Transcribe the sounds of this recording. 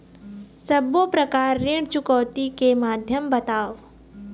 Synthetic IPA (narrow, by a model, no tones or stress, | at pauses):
sɐbːopɾɐkaːɾːeːɽt͡ʃʊkəːt̪ikemaːd̪ʱjəmbɐt̪aːʋ